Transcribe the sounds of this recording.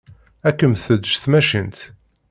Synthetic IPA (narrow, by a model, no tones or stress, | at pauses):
ækːəmθəd̪ːʒθmæʃənt̪